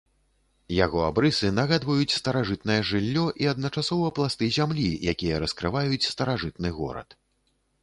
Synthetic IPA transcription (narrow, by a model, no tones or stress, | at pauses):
jaɣɔabɾɨsɨnɐɣad̪vɐjut͡sʲst̪ɐɾaʐɨt̪nɐjɛʐɨlʲːɔʔiɐd̪nɐt͡ʂasɔvɐplˠast̪ɨzʲamlʲijakʲijɐɾɐskɾɨvajut͡sʲst̪ɐɾaʐɨt̪̚nɨɣɔ̰ɾɐ̰t̪